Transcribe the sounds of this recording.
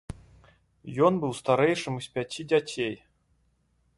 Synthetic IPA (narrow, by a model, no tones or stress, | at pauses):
jonbɨlˠst̪aɾʲɛjʂɨmɨsʲpʲatʲidʲatʲʰej